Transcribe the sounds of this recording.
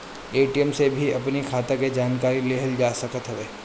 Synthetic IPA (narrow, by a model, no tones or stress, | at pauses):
eːʈijəmsebʱiɐpnikʰaːt̪eked͡ʒaːnkaːɾileːɦəld͡ʒaːsɐkət̪ɦɐʋeː